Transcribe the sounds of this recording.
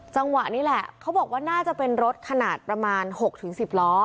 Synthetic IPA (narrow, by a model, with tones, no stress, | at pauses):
t͡ɕa˧ŋwa˨˩ʔniː˦˥lɛ˨˩kʰa˦˥bɔː˨˩k̚waː˥˩naː˥˩t͡ɕa˨˩pe˧nɾo˦˥t̪̚kʰa˧naː˨˩t̪̚pɾa˧maː˧nho˨˩k̚t̪ʰɯ˩˦ŋsi˨˩p̚lɔː˦˥